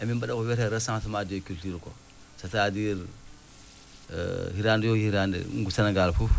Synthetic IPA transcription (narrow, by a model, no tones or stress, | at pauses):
amimbaɗakoweɾeɾasaŋsimadijokultuɾko̰ | satadiɾ | hiɾandijohiɾandḭɡusanaɡalfuf